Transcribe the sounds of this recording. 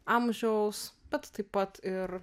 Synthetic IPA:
amʲʒʲɛʊsb̥ʲɛt̪t̪ɐɪppɐt̪ɪɾ

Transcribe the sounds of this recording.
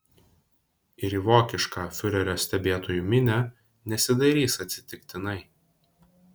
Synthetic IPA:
ɪɾiʋoːkʲɪʃkɑːfʲʊɾʲɛɾʲoːsʲt̪ʲɛbʲeːt̪oːjuːmʲɪnʲæ | nʲɛsʲɪd̪ɐɾʲiːsɐt̪ʲsʲɪ̥t̪ʲɪkʲt̪ʲɪnɐɪ

